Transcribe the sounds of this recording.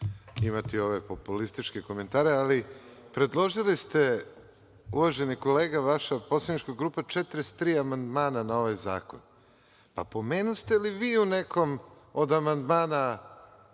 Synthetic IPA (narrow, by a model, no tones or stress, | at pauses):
imat̪io̞ʋe̞po̞pulist̪it͡ʃkeko̞me̞nt̪aːɾealipɾe̞d̪lˠo̞ʒilist̪e̞ | uʋaʒe̞niko̞leːɡaʋaʃaposlad̪nit͡ʃkoɡɾuːpat͡ʃet̪ɾest̪ɾiːamand̪maːnanao̞ʋajza̰ːkon | pa̰po̞meːnust̪eliʋiːuneko̞m | od̪amand̪maːna